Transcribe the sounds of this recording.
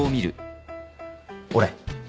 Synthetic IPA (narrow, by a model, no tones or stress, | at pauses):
omʲiɾɯ̟ | oɾe